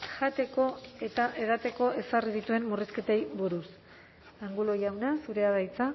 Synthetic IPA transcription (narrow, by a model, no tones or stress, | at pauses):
ʝat̪e̞ko̞e̞t̪aʔe̞ð̞at̪e̞ko̞ʔe̞sarið̞it̪ue̞mmuriske̞t̪e̞jβuɾus | aŋɡulojawnasuɾe̞aðajt͡sa